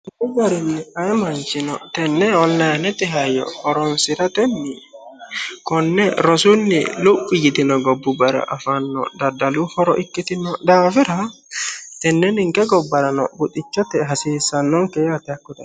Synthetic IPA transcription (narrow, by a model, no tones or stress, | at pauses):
bʊbɐɾɪnːɪaɛmant͡ʃɪnɔ̰t̪ɛnːɛɔnlajnɛt̪ɪɦajɔ̰hɔɾɔnsɪɾɐt̪ɛnːɪ | kɔnːɛɾɔsunːɪ̰lupːɪjɪt̪ɪnɔɡɔbːubɐɾɐ̰ʔafanːɔ̰d̪ɐd̪ɐluhɔɾɔʔɪkːɪt̪ɪnɔd̪aːfɪɾa | t̪ɛnːɛnɪŋkɛɡɔbːɐɾɐnɔ̰bʊt̪ːɪt͡ʃːɔt̪ɛɦɐsiːsɐnːɔŋkɛat̪ɛkːʊd̪ɐ